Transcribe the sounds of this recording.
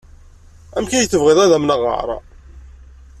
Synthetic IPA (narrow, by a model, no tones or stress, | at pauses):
æmkæjəθːəvʁeðˤæðæmnaʁə̰ʕɾˤɑ̰